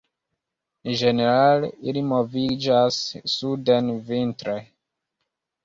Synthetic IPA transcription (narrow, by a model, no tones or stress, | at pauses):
d͡ʒe̞neɾaleilimovid͡ʒasːudenvintɾoj